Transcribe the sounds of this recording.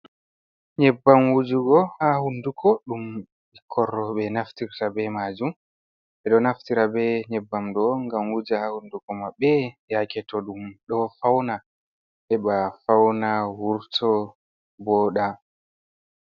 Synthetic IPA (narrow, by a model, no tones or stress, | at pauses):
ɲɛbːamwud͡ʒuɡɔhahundukʰɔɗum | ikʰɔrːɔɓɛnaftiɾtabɛmad͡ʒum | ɓɛɗɔnaftiɾabɛɲɛbːamdɔŋɡamwud͡ʒihahundukɔmabɛjakɛtɔɗumɗɔfawna | ʔɛɓafawnawuɾtʰɔ | bɔːɗa